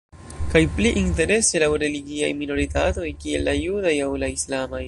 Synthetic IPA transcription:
kajpliʔinte̞ɾe̞se̞lawɾe̞liɡia̰jmino̞ɾitato̞jkie̞̰lːajudajawlaislamaj

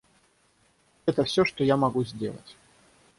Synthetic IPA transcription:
ɛt̪ɐfsʲɔʂt̪ɔjamaɣuzʲd͡zʲḛlˠɐ̰t͡sʲ

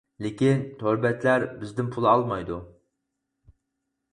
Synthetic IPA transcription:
lɪkʲint̪ʰøɾbɛt̪læɾbɪzd̪ɪnpʰulˠɨɑlˠmɑjd̪u

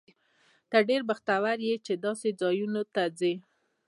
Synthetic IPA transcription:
t̪əɖeɾbaxt̪awaɾjet͡ʃed̪ɑsed͡zɑjunot̪ad͡ze

